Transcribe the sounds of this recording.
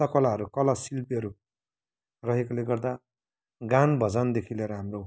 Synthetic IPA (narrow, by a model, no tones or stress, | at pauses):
ʌkʌlaɦʌɾukʌlasilpiɦʌɾu | rʌɦekoleɡʌrd̪a | ɡanbʱʌd͡zand̪ekʰileɾʌɦamro